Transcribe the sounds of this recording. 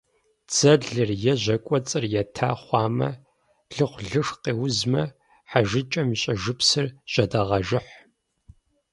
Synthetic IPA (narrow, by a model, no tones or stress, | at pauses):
t͡sʰɐɮɨrjɛʑʷɐkʷʼɔt͡sʼɨrjɛtʰaːχʷɑːmɐ̰ | ɮɨχʷɮɨʂqeːwzmɐ | ħaʒɨt͡ʃʼɐmɕʼɐʒɨpsɨrɕʼɐdɐʁɐʒɨħ